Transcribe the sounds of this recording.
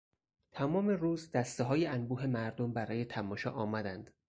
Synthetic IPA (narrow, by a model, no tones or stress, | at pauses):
t̪ʰæmɒːmeruːzd̪æst̪eɦɒːjeænbuːɦe̞mæɾd̪ombæɾɒːje̞t̪ʰæmɒːʃɒ̰ːʔɒːmæd̪ænd̪̥